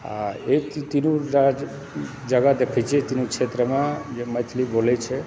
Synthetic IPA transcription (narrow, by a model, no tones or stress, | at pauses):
a̰et̪t̪inũɾad͡ʒ | d͡ʒəɡad̪epʰit͡ʃet̪inũkʃet̪ɾəmãd͡ʒemət̪ʰlibolet͡ʃʰe